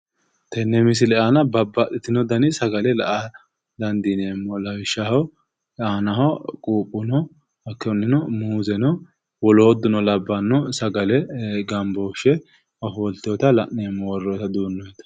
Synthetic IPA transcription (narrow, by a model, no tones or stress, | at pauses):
t̪ɛnːɛmɪs̬ɪlɛanɐbɐbːɐt̪ɪt̪ɪnɔd̪ɐnɪsɐɡɐlɛlɐʔɐ | lɐnd̪ineːmːɔlɐwɪʃːɐhɐw | aːnɐɦɔkʼuːpʼːʊnɔ | ɐkːɛnːɪnɔmuːzɛnɔ | wɔlɔɔd̪ʊnɔlɐbːɐnːɔsɐɡɐlɛɡɐmboʃɛ | ɐfɔlt̪oːt̪ɐlɐʔeːmːɔwɔrːɔt̪ɐd̪uːnːɔɛt̪ɐ̥